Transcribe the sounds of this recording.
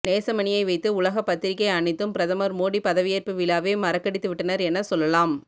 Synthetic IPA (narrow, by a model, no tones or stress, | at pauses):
neːsɐmɐɳɪjɐɪʋɐɪt̪ːɯʊɭɐɣɐpɐt̪ːɪɾɪkːɐɪɐɳɪt̪ːɯmpɪɾɐðɐmɐɾmoːɽipɐðɐʋɪjeːɾpɯʋɪlaːʋeːmɐɾɐkːɐɽɪt̪ːɯʋɪʈːɐnɐɾɛnːɐsɔlːɐlaːm